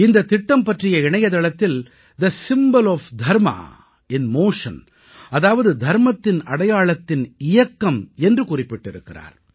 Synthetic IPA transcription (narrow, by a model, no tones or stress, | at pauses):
ɪnd̪ɐt̪ɪʈːɐmpɐʈrɪjɐɪɳɐjɐðɐɭɐt̪ːɪl | d̪ɐsɪmbɐlɔːfd̪ʱɐɾmɐ̰ | ɪnmoːʂɐ̰n | ɐðaːʋɐðɯd̪ʱɐɾmɐt̪ːɪnɐɽɐjaːɭɐt̪ːɪnɪjɐkːɐmɛndrɯkʊrɪpːɪʈːɪɾɯkːɪra̰ːɾ